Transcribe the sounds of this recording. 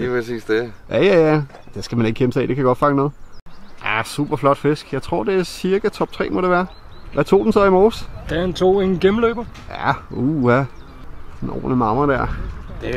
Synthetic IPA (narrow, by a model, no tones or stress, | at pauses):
lipʁɛsḭːsd̥ejʔæjæjæ | d̥e̝sɡ̥æmæne̝ɡ̥̚ɡ̥eməsʰɛ̰ːd̥e̝kʰæjɡɒ̽d̥fɑ̈ŋənɔ̽ːð̩ˠʔæsṵb̥ɐflɒ̽d̥fe̝sɡ̥jɑ̈ɪt͡sʰʁo̝ɐ̰d̥e̝æɐsiɐɡ̥æt͡sʰɒ̽b̥̚t͡sʰʁɛ̰ːmɒ̽ɾeʋæːɐ | ʋʔæt͡sʰo̝̰ːd̥n̩sɒ̽imɒːsd̥ænt͡sʰo̝̰ːenɡ̥emløːb̥ɐjæuæ | snɒ̰ːnəmɑ̈mɐɾ̥æɐ̰d̥e